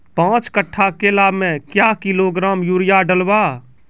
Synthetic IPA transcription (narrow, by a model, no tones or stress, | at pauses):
pãːt͡ʃkəʈʰːakelaːbmẽkjakɪloɡɾaːmjuːɾɪjaɖəlwaː